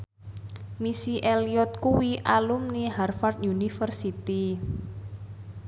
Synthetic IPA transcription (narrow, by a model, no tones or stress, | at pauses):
misiʔeliɔt̪̚kuwiʔalumniɦarfart̪junifərsit̪i